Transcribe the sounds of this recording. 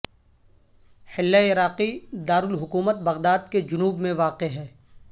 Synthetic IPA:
hɪlːaɪɾaːqid̪aːɾʊlɦʊkuːmət̪̚bɐɣd̪aːd̪ked͡ʒʊnuːbmẽʋaːqeɦɛː

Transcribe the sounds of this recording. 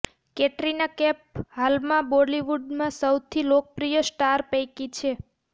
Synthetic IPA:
keʈɾinakɛp̚halmãbɔliʋuɖmãsəwt̪ʰilok̚pɾijəsʈaɾpəjkit͡ʃʰe

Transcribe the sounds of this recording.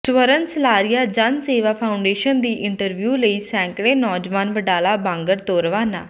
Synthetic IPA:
ʈʋəɾənsəlaːɾɪjaːd͡ʒənseːʋaːpʰaːʊɳɖeːʃənd̪iːʔɪɳʈəɾʋjuːləiːsɛ̃ːŋkɽẽːnɔːd͡ʒʋaːnʋəɖaːlaːbãːŋɡəɾt̪oːɾʋaːna̰ː

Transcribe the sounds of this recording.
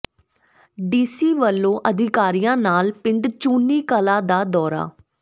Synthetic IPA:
ɖiːsiːʋəlːõːʔəd̪ʱɪkaːɾijãːnaːlpɪɳɖt͡ʃuːniːkəlaːd̪aːd̪ɔːɾa̰ː

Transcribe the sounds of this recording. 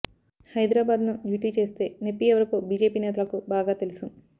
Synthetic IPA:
hɐjd̪ɾaːbaːd̪nubjuːʈiːt͡ʃe̞ːst̪e̞ːnepːiɛʋɐɾɐkoːbiːd͡ʒeːpiːnɛːt̪ɐlɐkubaːɡaːt̪e̞lusu

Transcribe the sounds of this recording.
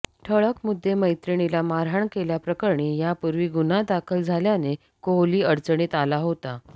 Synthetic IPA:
ʈʰəɭəkmud̪ʱːeməjt̪ɾiɳ̃ilamaɾɦaɳkeljapɾəkəɾɳiːjapuɾʋiːɡunad̪akʰəld͡zʱaljane | koliːəɾt͡səɳ̃it̪alaɦot̪a

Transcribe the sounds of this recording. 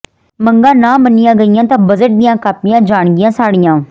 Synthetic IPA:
məŋɡãːnãːmənɪjãːɡəɪjãːt̪ãːbəzəʈ̚d̪ɪjãːkaːpɪjãːd͡ʒaːɳɡɪjãːsaːɽɪjãː

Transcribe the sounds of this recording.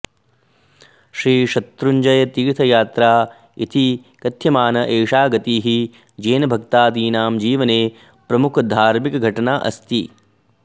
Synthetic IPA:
ʃɾiːʃɐt̪ɾuɲd͡ʒɐjɐt̪iːɾt̪ʰɐjaːt̪ɾaː | it̪ʰi | kɐt̪ʰjɐmaːnɐʔeːʂaːɡɐt̪iːɦi | d͡ʒeːnɐbʱɐk̚t̪aːd̪iːnaːmd͡ʒiːʋɐneː | pɾɐmukʰɐd̪ʱaːɾmikɐɡʱɐʈɐnaːʔɐ̰st̪i

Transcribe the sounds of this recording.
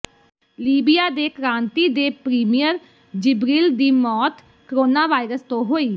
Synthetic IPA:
liːbɪjaːd̪eːkɾãːnt̪iːd̪eːpɾiːmijəɾ | d͡ʒɪbɾiːld̪iːmɔːt̪ | kəɾoːnaːʋaːɪɾəst̪õːɦoːiː

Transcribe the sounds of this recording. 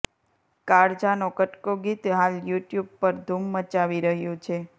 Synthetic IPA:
kaɽd͡ʒanokəʈkoɡit̪ɦaljuʈjub̚pəɾd̪ʱumːət͡ʃaʋiɾəɦjũt͡ʃʰe

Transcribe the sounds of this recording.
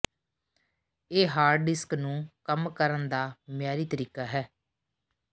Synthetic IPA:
eːɦaːɾɖɪsknũːkəmkəɾənd̪aːmɪjaːɾiːt̪əɾiːkaːɦɛː

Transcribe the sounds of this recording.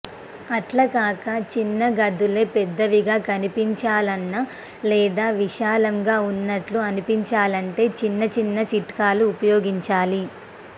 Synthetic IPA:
ɐʈlɐkaːkɐt͡ʃinːɐɡɐd̪uleːpɛd̪ːɐʋiɡaːkɐnipiɲt͡ʃaːlɐnːɐ | lɛːd̪aːʋiʃaːlɐŋɡaːunːɐʈluɐnipiɲt͡ʃaːlɐɳʈe̞ːt͡ʃinːɐt͡ʃinːɐt͡ʃiʈkaːluːpɐjoːɡiɲt͡ʃaːli

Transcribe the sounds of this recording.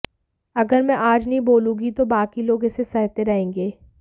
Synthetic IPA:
ɐɡəɾmɛ̃ʔaːd͡ʒnɐɦĩboːlũːɡit̪obaːkiloːɡɪsesɛɦt̪eɾɐɦẽːŋɡeː

